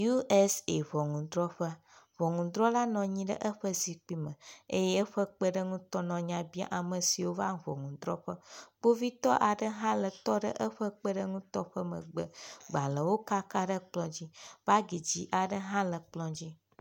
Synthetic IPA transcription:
ju˦ʔɛ˦se˨βɔ˨ŋũ˨d̪ɾɔ˦ɸə˦ | vɔ˨ŋũ˨d̪ɾɔ˦la˦nɔ̃˨ɲĩ˦ɖə̰˦ʔə˦ɸə˦zi˨k͡pi˦mə̃˨ḛ˦jɛ˦ə˦ɸə˦k͡pə˦ɖə˦ŋũ˦t̪ɔ˦nɔ̃˨ɲã˨bi˦a̰˦ʔa˨mə̃˨si˨wo˦va˦˨vɔ̰˨ŋũ˨d̪ɾɔ˦ɸə˦b̥o˦vi˦t̪ɔ˦ʔa˨ɖə˦ɦã˦lə˨t̪ɔ˦ɖə̰˦ʔə˦ɸə˦k͡pə˦ɖə˦ŋũ˦t̪ɔ˦ɸə˦mə̰̃˨ɡ͡bə˨ɡ͡ba˨lə˨wo˦ka˦ka˦ɖə˦k͡plɔ̃˨d͡ʑi˦va˦ɡi˨d͡ʑi˦ʔa˨ɖə˦ɦã˦lə˨k͡plɔ̃˦d͡ʑi˦

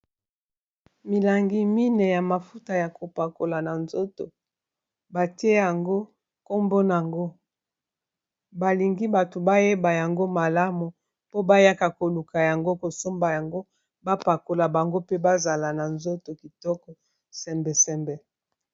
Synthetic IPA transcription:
mi˨la˨ŋɡi˦mi˦ne˨ja˨ma˨fu˦ta˨ja˨ko˨pa˨ko˨la˨na˨nzo˦to̰˨ | ba˨ti˦e˦ja˨ŋɡo˦ | ko˦mbo˦n˨a˨ŋɡo˦ | ba˨li˨ŋɡi˦ba˨to˨ba˦je˦ba˨ja˨ŋɡo˦ma˨la˦mu˨ | po˦ba˦ja˦ka˨ko˨lu˨ka˨ja˨ŋɡo˦ko˨so˦mba˨ja˨ŋɡo˦ | ba˦pa˨ko˨la˨ba˨ŋɡo˦pe˦ba˦za˨la˨na˨nzo˦to˨ki˨tɔ˦kɔ˨ | sɛ˨mbɛ˨sɛ˨mbɛ˨

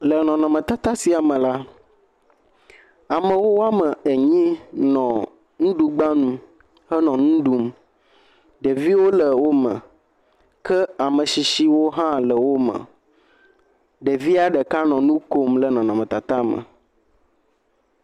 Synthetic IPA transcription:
lə˨nɔ̃˨nɔ̃˨mə̃˨t̪a˨t̪a˦si˨a˨mə̃˨la˦ | a˨mə̃˨wo˦wo˦a˦mə˨e˨ɲĩ˦nɔ̃˨ | ŋũ˦ɖu˦ɡ͡bã˦nũ˦ | hə˦nɔ̃˨nũ˦ɖu˦m | ɖə˨vi˦wo˦lə˨wo˦mə̰̃˨ | kɛ˦a˨mə̃˨ʃi˨ʃi˦wo˦ɦã˦lə˨wo˦mə̰̃˨ | ɖə˨vi˦a˨ɖə˨ka˦nɔ̃˨nũ˦ko˦mlə˨nɔ̃˨nɔ̃˨mɛ̃˨t̪a˨t̪a˦mə̰˨

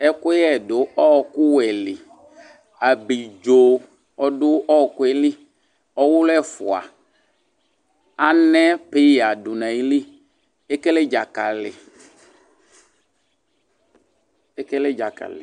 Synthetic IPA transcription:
ɛ˦kʊ˦ɛ˦˨dʊ˨ɔ˦˨kʊ˦wɛ˨lɪ˨ | a˨bi˨d͡ʒo˨ | ɔ˨dʊ˦ɔ˦˨kʊ˦ɛ˨li˦ | ɔ˦wʊ˦lɛ˦fʊ̰˨a̰˨ | a˦nɛ̃˦pe˦ja˨dʊ˨nã˨ji˦li˦ | e˦ke˦le˦d͡ʒa˨ka˨lɪ̰˨ | e˦ke˦le˦d͡ʒa˨ka̰˨lɪ̰˨

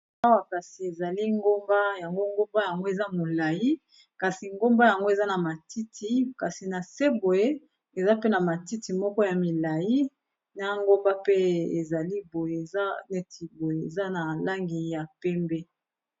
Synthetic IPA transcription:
a˦wa˨ka˨si˨e˨za˨li˦ŋɡo˦mba˦ja˨ŋɡo˦ŋɡo˦mba˦ja˨ŋɡo˦e˨za˦mo˨la˨ji˦ | ka˨si˨ŋɡo˦mba˦ja˨ŋɡo˦e˨za˦na˨ma˨ti˦tʰi˦ka˨si˨na˨se˦bo˨je˦ | e˨za˦pe˦na˨ma˨ti˦ti˨mɔ˦kɔ˦ja˨mi˨la˨ji˦ | na˦ŋɡo˦mba˦pe˦e˨za˨li˦bo˨je˨e˨za˦ne˦tʰi˨bo˨je˨e˨za˦na˨la˦ŋɡi˨ja˨pɛ˦mbɛ˦

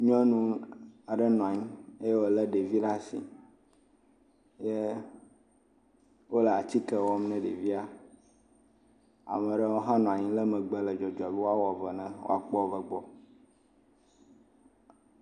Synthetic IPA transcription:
ɲɔ̃˦nũ˦a˨ɖə˦nɔ̃˨a˨ɲĩ˦e˦je˦wo˦lə˦ɖe˨vi˦ɖa˦sḭ˨ | je˦ | wo˦lə˨a˨t͡ɕi˦kɛ˨wɔ˦m˦nɛ̃˦ɖe˨vi˦a˦ | a̰˨mɛ̃˨ɖə˦wo˦ɦã˦nɔ̃˨a˨ɲĩ˦lə˦mɛ̃˨ɡ͡bɛ˦lə˨d͡ʒɔ˨d͡ʒɔ˨bi˦wo˦a˦wɔ˨və˨nɛ̃˦wo̰˦a˨k͡pɔ˦˨və˦ɡ͡bɔ˦

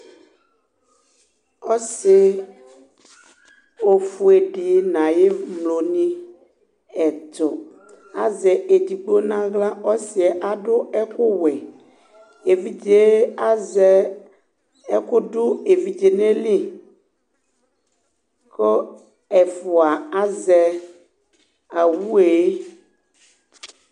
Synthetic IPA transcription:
ɔ˦sɪ˨ | o˨fu˨e˨ɖi˨nã˨je˦mlo˨nĩ˦ | ɛ˨t̪o˨ | a̰˨zɛ˨e˨d̪i˨ɡ͡bo˦nã˦ɣla˦ɔ˦si˨ɛ˨ʔa˨ɖʊ˦ɛ˦kʊ˦wɛ˨ | e˨vi˦d͡ʒe˦a˦zɛ˨ | ɛ˦kʊ˦ɖʊ˦e˨vi˦d͡ʒe˨ne˦li˦ | ko˦ | ɛ˨fo˨a˨a˦zɛ˨ | a˨wu˦e˨e˦

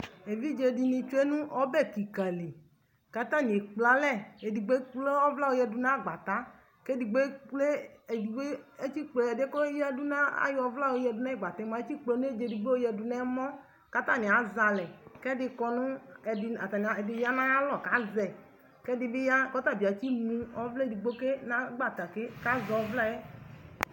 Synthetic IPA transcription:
e˨vi˦d͡ʒe˨di˨nĩ˧t͡ʃu˦e˦nũ˦ʔɔ˦bɛ˦˨ki˨ka˨li˨ | ka˦t̪ã˦˨ɲ˨e˨k͡pla˦lɛ˦˨e˨di˨ɡ͡be˦k͡ple˦ɔ˦vla˦wo˦jɛ˦du˧nã˦˨ɡ͡ba˨t̪a˦ | ke˦di˨ɡ͡be˦le˦˨i˨ɡ͡be˦e˦t͡ʃi˦k͡ple˨ɛ˨de˦ko˦jɛ˦du˦nã˦a̰˦jɔ˨vla˦wo˨˦jɛ˧˨du˦na˦˨ɡ͡ba˨t̪a˦mã˨˦e˦t͡ʃi˦k͡ple˨˦nũ˦e˦d͡ʒe˨di˨ɡ͡be˦o˦jɛ˧du˨nɛ˦mɔ̃˦ | ka˦t̪a˦˨nĩ˨a˨˦za˨lɛ˨kɛ˦dɪ˧kɔ˧nʊ̃˦ɛ˨dɪ˨a˨t̪a˨nĩ˨a˨dɪ˨ja˦nã˦lɔ˨ka˦zɛ˨ | kɛ˦dɪ˨bɪ˦ja˦kɔ˦t̪a˦˨bi˨a˨˦t͡ɕi˦mũ˦ɔ˦vlɛ˦˨di˨ɡ͡bo˦ke˦nã˦ɡ͡ba˦˨t̪a˨ke˦ka˦zɔ˨˦vla˦ɛ˦

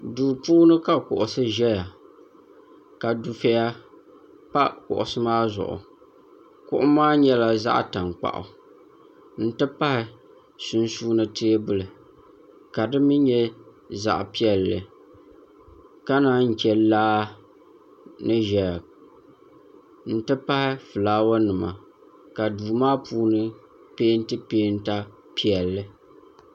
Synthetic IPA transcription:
duː˨puː˦nɨ˦ka˦kʊ̰˨ʔʊ˨sɨ˦ʒɛ˦ja˨ | ka˨du˨fe˦ja˦ | pa˦kʊ̰˨ʔʊ̰˨sɨ˦maː˦zʊ̰˨ʔʊ̰˨ | kʊ̰˦ʔʊ˦maː˦ɲɛ˦la˨za̰˦ʔta˨ŋk͡pa̰˨ʔʊ̰˨ | n̩˦tɨ˦pa˦hɪ˨ | su˨nsuː˦nɨ˦tʰeː˦bɨ˦lɨ˨ | ka˨dɨ˦mi˦ɲɛ˦ | za̰˨ʔpi˦ɛ˨lːɨ˨ | ka˦na˨ŋ̩˨kɛ˨laː˦ | nɨ˦ʒɛ˨ | n̩˦tɨ˦pa˦hɪ˦fɨ˨laː˦wa˦nɨ˨ma̰˨ | ka˨duː˨maː˦puː˦nɨ˦ | peː˦n˦tɨ˦peː˦n̩˦ta˦ | pi˦ɛ˨lːɨ˨

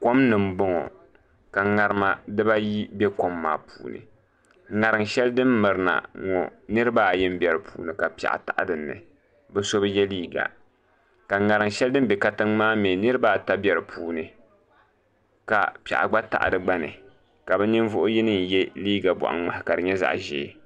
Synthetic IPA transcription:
ko˦mnɨ˨m̩˦bɔ˦ŋɔ̰˨ | ka˨ŋa˨ɾɨ˦ma˨dɨ˦ba˦ji˦bɛ˦ko˦mːa̰ː˦˨puː˨nɨ̰˨ | ŋa˨ɾɨ˨ŋʃɛ˦ldɨ˦mːɨ˨ɾɨ˨na̰˨ŋɔ̰˨nɨ˦ɾɨ˦ba˦˨jɪ˦m˦bɛ˨ɾɨ˨pṵː˨nɨ˨ka˨pi˦˨a̰˨ʔa̰˨ta̰˨ʔa̰˨dɨ˨nːɨ̰˨ | bɛ˦so˦bɨ˦jɛ˦liː˦ɡa̰˨ | ka˨ŋa˨ɾɨ˨ŋʃɛ˦ldɨ˦m˦bɛ˨ka˦tɨ˦ŋmaː˦mɛ˨nɨ˦ɾɨ˦ba˦ta˦bɛ˨ɾɨ˨pʰuː˨˦nɨ˨ | ka̰˨pa̰˨ʔa̰˨ɡ͡ba˦ta̰˨ʔdɨ˨ɡ͡ba˦nɨ̰˨ | ka˨bɛ˦nɨ˦n˦vʊ˦ʔʊ˦ji˦nɨ˦n˨jɛ˦liː˦ɡa˨bɔ̰˨ʔa̰˨ŋŋ͡ma˨hɪ˨ka˨ɾɨ˨ɲɛ˦za̰˦ʔʒɛ̰˨˦˨

